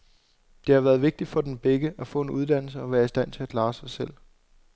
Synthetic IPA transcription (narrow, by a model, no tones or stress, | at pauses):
d̥e̝hɑ̈ʋæːɐð̞̩ˠʋe̝ɡ̥̚d̥i̥fɒ̽d̥enb̥eɡ̥əʔæfɔ̰̽ːe̝nuð̞ˠd̥æn̰l̩səɒ̽ʋæːɐisd̥æn̰t͡sʰe̝ækʰlɑ̈ːsɑ̈ɪsel̰